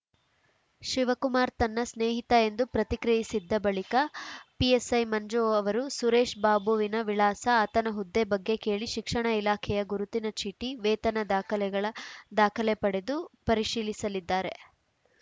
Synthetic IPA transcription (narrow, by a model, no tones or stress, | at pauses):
ʃiʋɐkumaːɾt̪ɐnːɐsneːɦit̪ɐe̞nd̪upɾɐt̪ikɾijisid̪ːɐbɐɭikɐpiesɐjmɐɲd͡ʒoːɐʋɐɾusuɾeːʂbaːbuʋinɐʋiɭaːsɐaːt̪ɐnɐɦud̪ːebɐɡːe̞ke̞ːɭiʃikʂɐɳɐilaːkʰɛjɐɡuɾut̪inɐt͡ʃʰiʈiʋɛːt̪ɐnɐd̪aːkʰɐlɛɡɐɭɐd̪aːkʰɐlɛpɐɽe̞d̪upɐɾiʂiːlisɐlid̪ːaːɾe̞